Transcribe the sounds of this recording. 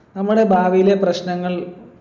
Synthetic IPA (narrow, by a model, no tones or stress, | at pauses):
nɐmːuɽe̞bʱaːʋɐjile̞prɐɕnɐŋːɐɭ